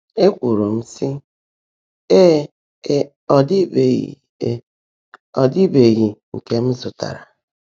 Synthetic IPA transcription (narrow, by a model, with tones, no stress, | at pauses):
e˦kʷu˨ɾo˨m̩˦si˦ | e˦˨ | e˦ | ɔ˦di˦be˨ɣ̰ | ɔ˨dɪ˦be˨ɣi˨ŋ̩˨ke˦m̩˦zʊ˨ta̰˨ɾa̰˨